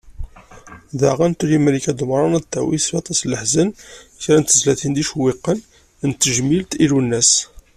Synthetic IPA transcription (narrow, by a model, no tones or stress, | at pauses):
ðaʁænt̪uljimɾikæd̪mɾˤɑnæd̪t̪ːæ̰wḭsbɑt̪ˤɑsləħzənçɾænt̪əzlæθind̪iʃwiqːən | nt̪ːəʒmilt̪ilunːæs